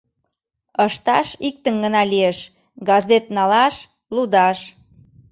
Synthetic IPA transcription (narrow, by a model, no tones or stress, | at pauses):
əʃt̪ɑʃik̚t̪əŋɡənɑlieʃ | ɡɑzet̪̚nɑlɑʃ | lud̪ɑʃ